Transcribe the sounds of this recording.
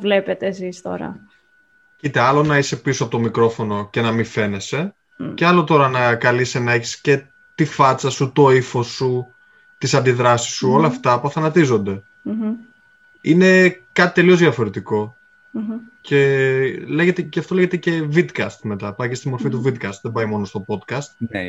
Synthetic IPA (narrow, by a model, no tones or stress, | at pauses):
vlepet̪eːsist̪o̞̰ɾɐ̰ | it̪eɐlo̞nɐise̞pisoɐpot̪o̞mikɾo̞fo̞no̞ce̞nɐmife̞ne̞se̞ | ceɐlo̞t̪o̞ɾɐnɐkɐlisenɐeçi̥sce̞ | t̪ifɐt͡sɐsut̪o̞ifo̞su | t̪isɐnd̪iðɾɐsi̥sːuo̞lɐːft̪ɐpuɐθɐnɐt̪izo̞nd̪e̞ | ine̞kɐt̪i̥t̪e̞liozðʝɐfo̞ɾe̞t̪iko̞ | ce̞le̞ɣet̪eceɐft̪oe̞ʝet̪ece̞vid̪kɐst̪me̞t̪ɐpɐjcest̪imo̞ɾfit̪uvid̪kɐst̪ðebɐjmo̞no̞st̪o̞po̞d̪kɐst̪